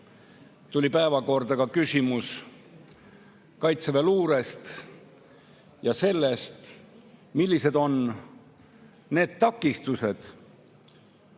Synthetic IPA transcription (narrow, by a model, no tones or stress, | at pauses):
t̪ulʲipæevɑko̞rd̪ɑkɑkysʲimus | kɑjt̪seveluːɾe̞st̪ | jɑse̞lːe̞st̪ | milːise̞d̪o̞n | ne̞ːd̪̥̚t̪ɑkːˑist̪use̞d̪̥